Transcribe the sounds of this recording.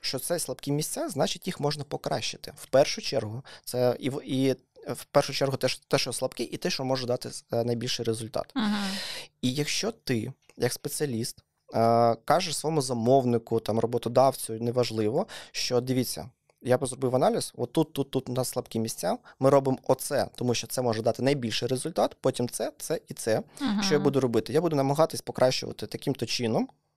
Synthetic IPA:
ʃt͡ʃɔt̪sɛslˠɐbkʲimʲisʲt͡sʲaznɑt͡ʃɪtʲjixmɔʒnɐpɔkɾʔɑʃːɪ̥t̪ɪ̥w̥pɛrʃʊt͡ʃɛrɦʊt̪sɛiʋi | wpɛrʃʊt͡ʃɛrɦʊt̪ɛʃt̪ɛʃɔslˠɐpkɪʔit̪ɪʃɔmɔʒɛd̪ɑt̪ɪnɐjbʲilʲʃɪjɾezʊlʲt̪ɑ̰t̪ | ijɐkʃt͡ʃɔt̪ɪ | jɐkspet͡sʲiɐlʲist̪ | kɑʒɛsʋɔɔmʊzɐmɔwnɪkʊt̪ɑmrʔɔbɔt̪ɔd̪ɑwt͡sʲʊjʊnɛʋɐʒlˠɪʋɔʃt͡ʃɔd̪ɪʋʲit͡sʲːɐ̰ | japzrɔbɪwɐnɑlʲisɔt̪ːut̪ːut̪ːut̪nɐslˠɐpkɪmʲisʲt͡sʲammɪɾɔbɪmɔt̪sɛ̰t̪ɔmuʃt͡ʃɔt̪sɛmɔʒɛd̪ɑt̪ɪnɐjbʲilʲʃɪjɾezʊlʲt̪ɑt̪pɔtʲimt̪sɛt̪sɛit̪sɛʃt͡ʃɔjabud̪ʊɾɔbɪt̪ɪjabud̪ʊnɐmɐɦɑt̪ɪsʲpɔkɾʔɑʃt͡ʃʊ̰ʋɐ̰t̪ɪt̪ɐkʲimt̪ɔt͡ʃɪnɔm

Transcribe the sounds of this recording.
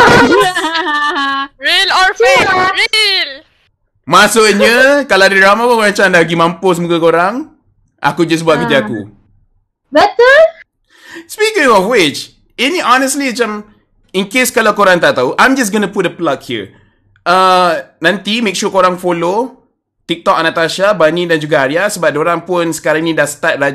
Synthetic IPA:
ɹilɔfiɹil | masʊʔɲəkalaadəɹamapəkoɾãŋt͡ʃãndahɡimãmpos̬əmuɡakoɾaŋ | ʔa̰kud͡ʒas̬buat̪̚kət̪iakṵ | bɛtə | spikɪ̃ŋɔfwɪt͡ʃ | ɛniʔɔnəsliət͡ʃãm | inkeskalawkoɾaŋt̪aʔt̪auʔãjmd͡ʒas̬ɡənəput̚dəplakhḭ | anãnt̪imek̚ʃukoɾaŋfolo | t̪ik̚t̪ɔkanat̪aʃabanidand͡ʒuɡaːɾiasəbap̚doɾaŋpʊnsə̥kaɾaŋinĩdahsə̥t̪at̪̚ra

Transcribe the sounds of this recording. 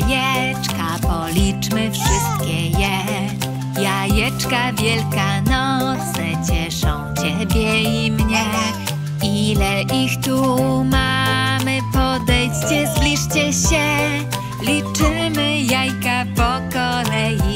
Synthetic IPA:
jɛ | t͡ʂkapɔlʲit͡ʂmɘfʂɘst̪̚kʲɛjɛ | jajɛt͡ʂkavʲjɛlkanɔt̪sɛt͡ɕɛʂɔ̃w̃t͡ɕɛbʲjɛimɲɛ | ilɛʔixt̪umamɘpɔd̪ɛjt͡ɕt͡ɕɛzlʲiʂt͡ɕɛɕɛ | lʲit͡ʂɘmɘjajkapɔkɔlɛji

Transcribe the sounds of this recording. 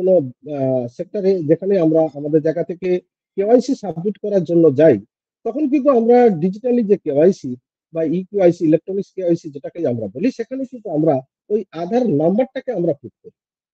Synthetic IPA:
kono | sek̚ʈaɾed͡ʑekʰaneamɾaamad̪eɾd͡ʒajɡat̪ʰeke | kewajsisabʱmiʈkɔɾaɾd͡ʒonːod͡ʒaj | t̪ɔkʰonk̬int̪uamɾaɖid͡ʑiʈalid͡ʑekewajsi | baikuajsiːlek̚ʈɾonikskewajsid͡ʑeʈakejamɾa̰boliʃekʰanekint̪uamɾa | ojad̪ʱaɾnambaɾʈakeamɾapʰuk̚koɾi

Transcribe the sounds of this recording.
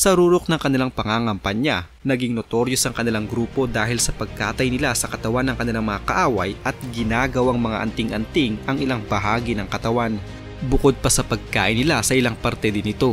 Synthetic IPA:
sɐɾuːɾok̚nɐŋkɐnɪlaŋpɐŋaːŋɐmpɐɲa | nɐɡiŋnot̪o̞ɾjosɐŋkɐnɪlaŋɡɾuːpo̞d̪aːhɪlsɐpɐɡ̚kaːt̪ɐjnɪlasɐkɐt̪ɐwanːɐŋkɐnɪlaŋmɐŋakɐʔaːwɐ̰jʔɐt̪̚ɡɪnaːɡɐwaŋmɐŋa̰ʔɐ̰nt̪ɪŋʔɐnt̪ɪŋʔɐŋɪlaŋbɐɦaːɡinɐŋkɐt̪ɐwan | bʊko̞d̪̚pɐsɐpɐɡ̚ka̰ːʔɪnɪlasɐʔɪlaŋpɐɾt̪ɛd̪ɪnɪt̪o̞

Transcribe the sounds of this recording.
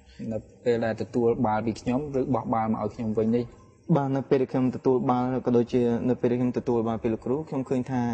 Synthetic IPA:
nɨwpeːlɗaɛlt̪ɔt̪uəlɓaːlpiːkʰɲomrɨːɓɑhɓaːlməʔaɔjkʰɲomʋɨɲnih | ɓaːnɨwpeːlɗæɛkʰɲomt̪ɔt̪uəlɓaːlkɑːɗoːc̚t͡ɕiənɨwpeːlɗæɛkʰɲomt̪ɔt̪uəlɓaːlpiːləkruːkʰɲomkʰəːɲt̪ʰaː

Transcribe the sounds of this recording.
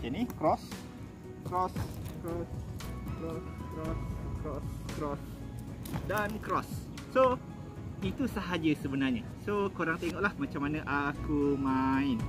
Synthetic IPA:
d͡ʒanikɾɔs | kɾɔskɾɔskɾɔskɾɔskɾɔskɾɔs | dankɾɔsː | o | it̪usəɦad͡ʒəsəbənarɲa | sokoɾaŋt̪eŋɔʔlahmat͡ʃamːanãʔakumaɪn

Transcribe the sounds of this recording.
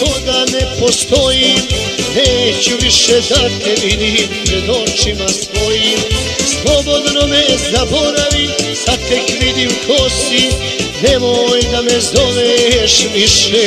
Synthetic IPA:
kod̪anepost̪ojiːm | neːt͡ɕuʋiʃed̪at̪eʋid̪imsɾed̪ot͡ʃimast̪ojiːm | slˠobo̞d̪nomezaboɾaʋisat̪ekʋid̪iukʰost̪i | neʋoːjd̪amɛzoʋeʃʋiʃe

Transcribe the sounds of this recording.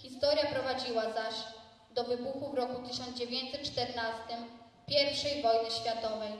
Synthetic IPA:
xʲist̪ɔɾʲjapɾɔvad͡ʑiwazaɕ | d̪ɔvɘbuxuvɾɔkut̪ɘɕ̬ɔnd̪d͡ʑevʲjeɲt̪sɛt̪̚t͡ʂt̪ɛɾnast̪ɘm | pʲjɛɾfʂɛjvɔjnɘɕfʲjat̪ɔvɛj

